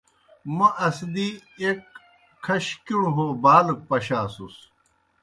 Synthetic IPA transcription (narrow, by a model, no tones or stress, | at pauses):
mɐʔɐsd̪iek̚ | kʰːɐɕkiɽuɦoːbaːlk̚pɐɕaːsus